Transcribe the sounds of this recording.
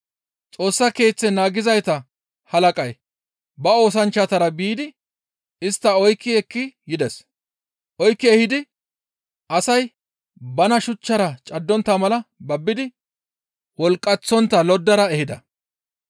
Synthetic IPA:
t͡sʼo̞ːsːɐke̞ːt͡sːɛnaːɡɪzɐjt̪ɐ | hɐlɐkʼɐj | bɐo̞ːs̬ɐnt͡ʃːɐt̪ɐɾɐbiːd̪ɪ | ɪst̪ːɐɔjkːɪɛkːɪjɪd̪ɛs | ʔɔjkːɪɛhɪd̪ɪ | ʔɐsɐj | bɐnɐʃʊt͡ʃːɐɾɐt͡ʃʼɐd̪ːɔnt̪ːɐmɐlɐbɐbːɪd̪ɪ | wɔlkʼːɐt͡sːɔnt̪ːɐlɔd̪ːɐɾɐɛhɪd̪ɐ̰

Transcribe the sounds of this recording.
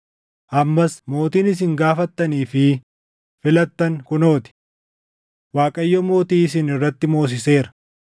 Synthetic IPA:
ʔɐmːɐsmo̞ːt̪iːnɪs̬ɪŋɡaːfɐt̪ːɐniːfɪ | fɪlɐt̪ːɐŋkʊno̞ːt̪ɪ̥ | waːkʼɐjːɔmo̞ːt̪iːɪs̬ɪnɪrːɐt̪ːɪmo̞ːs̬ɪse̞ːɾɐ̥

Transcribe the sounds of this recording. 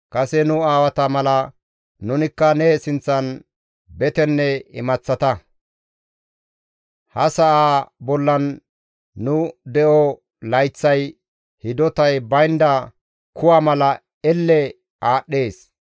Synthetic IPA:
kɐsɛnʊaːwɐt̪ɐmɐlɐ | nʊnɪkːɐnɛsɪnt͡sːɐn | bɛt̪ɛnːɛɪmɐt͡sːɐt̪ɐ | hɐsɐʔaːbɔlːɐnː | ʊd̪ɛʔɔ | lɐjt͡sːɐj | hɪd̪ɔt̪ɐjbɐjnd̪ɐ | kʰʊwaːmɐlɐ | ɛlːɛ | ʔaːɗːe̞ːs

